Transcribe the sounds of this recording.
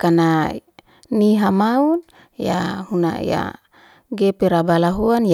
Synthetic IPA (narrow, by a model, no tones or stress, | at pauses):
kana | niɦamaun | jahuna̰ja̰ | ɡepeɾabalaɦuanj